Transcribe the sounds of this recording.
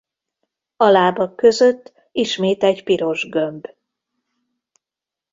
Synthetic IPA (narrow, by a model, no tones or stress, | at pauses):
ɒlaːbɒkːø̞zøt̪ː | iʃmeːt̪ɛɟpiɾo̞ʒɡømb